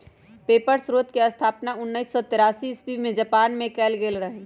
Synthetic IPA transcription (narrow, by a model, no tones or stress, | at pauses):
peːpəɾsɾoːt̪keɐst̪ʰaːpnaʊnːəisːɔt̪ɪɾaːsispimẽd͡ʒəpaːnmẽkɛːlɡeːlɾəɦe